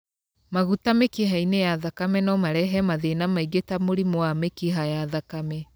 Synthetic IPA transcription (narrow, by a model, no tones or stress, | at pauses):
maɣutamekiɦainejaðakamɛnɔmaɾɛɦɛmaðenamaiɡetamoɾimoamekiɦajaðakamɛ